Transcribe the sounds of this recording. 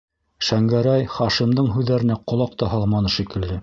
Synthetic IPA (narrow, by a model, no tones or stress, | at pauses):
ʃæŋɡæɾæjχɑʃimd̪ɤɴɦʉðːæɾɘ̆næqŏlˠɑq̚t̪ɑɦɑlˠmɑnɤʃikɘ̆ld̪ɘ